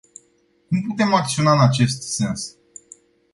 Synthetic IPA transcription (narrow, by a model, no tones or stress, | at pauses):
kumput̪e̞mak̚t̪sio̞naɨnat͡ʃe̞st̪se̞ns